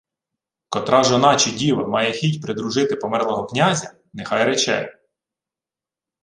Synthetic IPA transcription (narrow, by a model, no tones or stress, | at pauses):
kɔt̪ɾɑʒɔnɑt͡ʃidʲiʋɐmɑjɛxʲitʲpɾɪd̪ɾʊʒɪt̪ɪpɔmɛrlˠɔɦɔknʲazʲɐ | nexɑjɾɛt͡ʃɛ̰